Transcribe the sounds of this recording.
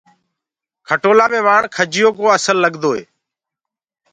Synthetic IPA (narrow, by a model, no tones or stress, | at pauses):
kʰəʈoːlaːmẽːʋaːɳkʰəd͡ʒɪjoːkoːəsəlːəɠd̪oːḛː